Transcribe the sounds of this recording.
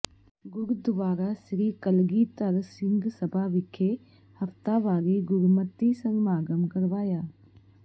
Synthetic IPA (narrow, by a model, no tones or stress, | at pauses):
ɡʊɾd̪ʋaːɾasɾiːkəlɡit̪əɾsɪ̃nd̪ʱsɐbʱaʋɪkʰe | hɐft̪aʋaːɾiɡʊɾmət̪ːisɐ̃ŋɡmaːɡəmkɐɾʋaːjaː